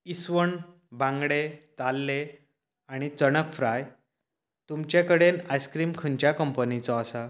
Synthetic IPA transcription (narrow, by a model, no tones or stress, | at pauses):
isʋəɳ | bãŋɡɽet̪alːe | aɽ̃it͡sənəkfʰɾaj | t̪umt͡ɕãkəɽenajskɾiːmkʰəɲt͡ɕjakəmpənit͡sɔːsa